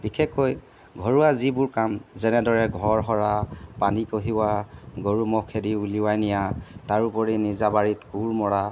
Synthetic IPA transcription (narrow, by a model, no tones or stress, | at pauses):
b̥ikʰɛkʰːoj | ɡʱɔɹuwazibʊɹkamzɛnɛdɔɹɛɡʱɔɹɦɔɹapanikoɦiwaɡoɹumɔkʰediuliwajnijataɹupɔɹinizabaɹitkuɹmɔɹa